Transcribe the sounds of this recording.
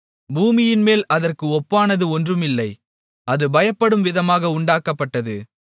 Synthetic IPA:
buːmɪjɪnmeːlɐðɐrkɯɔpːaːnɐðɯɔndrɯmɪlːɐɪ | ɐðɯbɐjɐpːɐɽɯmʋɪðɐmaːɣɐʊɳɖaːkɐpːɐʈːɐðɯ

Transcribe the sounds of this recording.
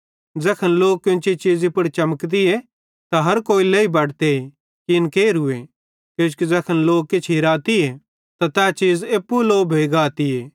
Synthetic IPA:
d͡zɛːkʰɐnloːk̚kːɪnt͡ʃit͡ʃiːzipɐɽt͡ʃɐməkd̪ie | t̪aɦɐɾkoːileibɐɽt̪ei | kiɪnkeːɾɦʊe | koːt͡ʃkid͡zɛːkʰɐnloːk̚kːɪt͡ʃʰɦiɾaːt̪ie | t̪at̪ɛːt͡ʃiːzeːpːuloːbʱeːɡaːt̪ieː

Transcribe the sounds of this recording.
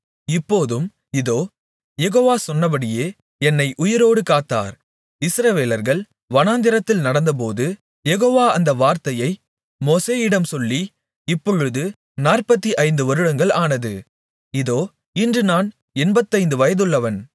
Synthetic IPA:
ɪpːoːðɯm | ɪðoː | jɛɣoːʋaːsɔnːɐp̬ɐɽɪjeː | ɛnːɐɪʔʊjɪɾoːɽɯkaːt̪ːa̰ːɾ | ɪsɾɐʋeːlɐɾɣɐɭ | ʋɐnaːnd̪ɪɾɐt̪ːɪlnɐɽɐnd̪ɐp̬oːðɯ | jɛɣoːʋaːɐnd̪ɐʋaːɾt̪ɐjɐɪ | moːseːɪɽɐmsɔlːi | ɪpːɔɻɯðɯ | naːrpɐt̪ːiʔɐɪnd̪ɯʋɐɾɯɽɐŋɡɐɭaːnɐðɯ̰ | ɪðoː | ɪndrɯnaːn | ɛnbɐt̪ːɐɪnd̪ɯʋɐjɐðɯɭːɐʋɐn

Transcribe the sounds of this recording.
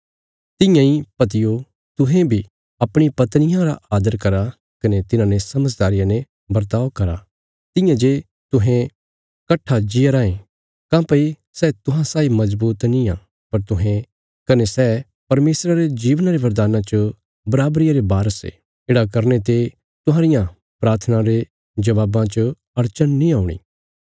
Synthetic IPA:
t̪ɪ̃jãipɐt̪̬ɪjo | t̪ʊɦẽbʱi | ɐpɽ̃ipɐt̪nɪjãɾa̰ʔaːd̪əɾkɐɾa | kɐnet̪ɪnãnesɐməd͡ʒd̪aːɾɪjãne | bɐɾt̪aːʋkɐɾa | t̪ɪ̃jãd͡ʒe | t̪ʊɦẽ | kɐʈʰːad͡ʒɪjaɾaːẽ | kãːpɐi | sɛt̪ʊɦãsaːimɐzbuːt̪niã | pɐɾt̪ʊɦẽ | kɐnesɛː | pɐɾmeːsɾaɾed͡ʒiːʋənaɾeʋɐɾd̪aːnãt͡ʃə | bɐɾaːbɾɪjaɾebaːɾəsḛ | ɪːɽakɐɾnet̪e | t̪ʊ̃ɦãːɾɪjã | pɾaːɾt̪ʰnãɾe | d͡ʒɐʋaːbãt͡ʃ | ɐɾt͡ʃənːĩaːʊɽ̃ḭː

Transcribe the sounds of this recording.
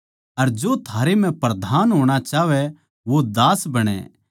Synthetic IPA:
ɐɾd͡ʒot̪ʰaːɾem̤ɛ̃pɾɐd̪ʱaːnɦoːɽ̃at͡ʃaːʋɛ | ʋod̪aːsbɐɽ̃ɛ̰ː

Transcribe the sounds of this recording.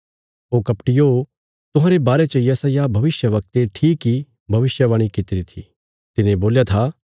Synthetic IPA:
oːkɐpʈɪjo | t̪ʊɦãɾebaːɾet͡ʃɐjɐsajabʱɐʋɪsjəʋɐk̚t̪eʈʰiːkːi | bʱɐʋɪsjəʋaːɽ̃ikɪt̪ɪɾit̪ʰḭ | t̪ɪnẽboːljat̪ʰa

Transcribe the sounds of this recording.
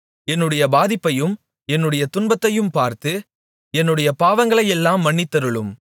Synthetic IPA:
ɛnːɯɽɐjɐbaːðɪpːɐjɯm | ɛnːɯɽɐjɐt̪ʊnbɐt̪ːɐjɯmpaːɾt̪ɯ | ɛnːɯɽɐjɐpaːʋɐŋɡɐɭɐjɛlːaːmːɐɳːɪt̪ːɐɾɯɭɯm

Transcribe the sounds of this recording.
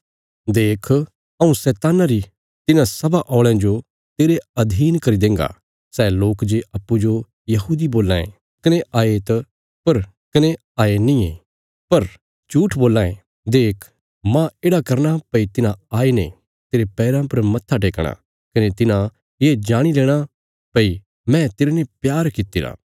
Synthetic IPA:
d̪eːkʰ | ɐũsɛːt̪aːnaɾi | t̪ɪnãsɐbaʔɔːɭãd͡ʒo | t̪eːɾeɐd̪ʱiːnkɐɾid̪ẽːŋɡa̰ | sɛːloːkd͡ʒeɐpːud͡ʒo | jɐɦuːd̪iboːlːã̰ːḛ̃ | kɐneʔaːet̪ɐ | pɐɾ | kɐne | aːenĩẽː | pɐɾ | t͡ʃuːʈʰboːlːãːẽ | d̪eːkʰ | mãeːɽakɐɾñapɐit̪ɪnãaːenḛ̃ | t̪eːɾepɛːɾãpɐɾmɐt̪ʰːaʈ̬eːkɽ̃a̰ | kɐnet̪ɪnã | jeːd͡ʒaːɽ̃ileːɽ̃a | pɐi | mɛ̃t̪eːɾenepjaːɾkɪt̪ːiɾa̰ː

